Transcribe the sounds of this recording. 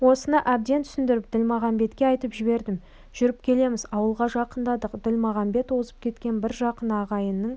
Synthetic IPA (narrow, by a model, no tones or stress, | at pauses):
wo̞sənɑʔæb̚d̪e̞nt̪ʰʏ̥sɪnd̪ɪɾɪp̚d̪̥ɪlmɑʁɑmbe̞t̪kʲe̞ɑjt̪əpʒɪbe̞ɾd̪ɪm | ʒ̥ʏɾɪp̚kʲʰe̞le̞mɪzɑwəlˠʁɑʒɑqənd̪ɑd̪əqd̪ʏlmɑʁɑmbe̞t̪wo̞zəp̚kʲʰe̞t̪kʲe̞nbɪɾʒɑqənɑʁɑjənːəɴ